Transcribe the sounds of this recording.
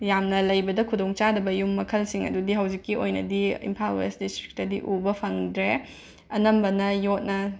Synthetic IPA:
jamnɐlɐjbɐdɐkʰudoŋt͡ʃadɐbɐjumːɐkʰɐlsiŋɐ̰dudiɦɐwd͡ʒikːiojnɐdiḭmpʰalesdistɾi̥k̚tɐdiʔubɐpʰɐŋdɾe | ɐnɐmbɐnɐjot̚nɐ

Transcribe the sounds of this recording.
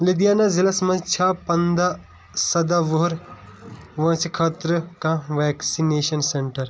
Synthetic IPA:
lid̪ijanazilɐsmɐ̃t͡ʃʰaːpɐnd̪a | sɐd̪aʋoɦɾ | ʋɐ̃ːt͡ʃʰikʰaːt̪ɾəkãʋeːksineːʃɐnseɳʈɐɾ

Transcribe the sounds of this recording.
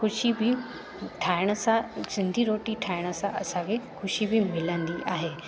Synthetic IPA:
xʊʃibɪ | ʈʰaːɪɽ̃əsãsɪ̃nd̪ʱiɾoːʈiʈʰaːɪɽ̃ə̆sãʔɐsãkʰexʊʃibɪmɪlə̃nd̪iʔa̰ːɦeː

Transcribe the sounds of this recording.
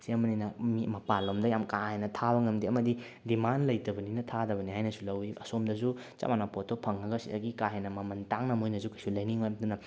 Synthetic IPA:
siɐmɐninɐmimɐpalomdɐjamkahenɐtʰabɐŋɐmdiɐmɐdidimanlɐjtɐbɐninɐtʰadɐbɐniɦajnɐsulɐwiɐsomdɐzu | t͡ʃa̰manɐpotopʰɐŋːɐɡɐsidɐɡikaɦenɐmɐmɐntaŋnɐmojnɐzukɐjsulɐjniŋojdunɐ

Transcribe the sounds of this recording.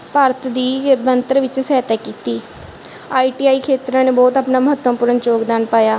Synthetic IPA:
paːɾət̪d̪iːbənt̪əɾʋɪt͡ʃsɛːt̪ɛːkiːt̪iː | aːiːʈiːaːiːkʰeːt̪ɾãːneːbɔːt̪aːpnaːməɦət̪ʋəːpʊɾənt͡ʃoːɡd̪aːnpaːjaː

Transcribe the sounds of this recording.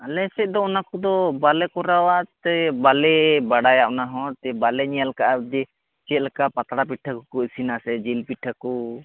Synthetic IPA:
alɛsɛc̚ˀd̪ɔɔnakɔd̪ɔbalɛkɔɾawat̪ɛbalɛbaɽajaʔnaɦɔ̃t̪ɛbalɛɲijalkaʔad̪ɛ | t͡ʃɛt̪̚lɛkaʔpat̪aɽapiʈʰakɔkɔisinasɛd͡ʒilpiʈʰːakɔ

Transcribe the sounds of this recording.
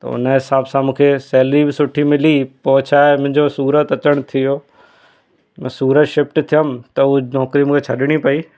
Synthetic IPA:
t̪ɐ̰ʊ̰nəɦɪsaːbsãmũːkʰesɛːlibɪsʊʈʰimɪlipɔːt͡ɕʰaːemʊ̃ɦɪ̃ɲd͡ʑosuːɾət̪ɐt͡ɕəɽ̃t̪ʰijoː | mɛ̃ːsuːɾət̪ʃɪfʈt̪ʰijəmt̪ɐunɔːkɾimũːkʰet͡ɕʰɐɗɽ̃ipɐiː

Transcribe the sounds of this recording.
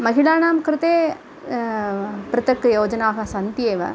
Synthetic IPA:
mɐɣɪlaːnaːmkɪɾɯt̪eː | pɾɪt̪ɐkːɯjoːd͡ʒɐnaːɣɐsɐnd̪jeːʋɐ̰

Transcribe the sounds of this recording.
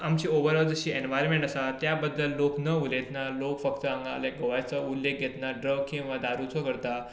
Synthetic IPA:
amt͡ɕiːoʋəɾad͡zəɕiːenʋajɾmẽɳʈasat̪jabəd̪ləlːoknəulet̪nalokfəkt̪əãŋɡaa̰leɡoʋajt͡səulːek̚ɡʱet̪naɖɾəɡkĩw̃ʋad̪aɾut͡sɔkəɾt̪a

